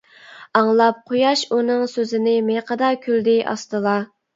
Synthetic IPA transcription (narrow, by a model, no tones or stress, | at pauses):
ɑŋlˠɑp̚qʰojɑʃunɨŋsøzɪnɪmeqʰəd̪ɑkʲʰyld̪ɪʔɑ̰st̪ɨlˠɑ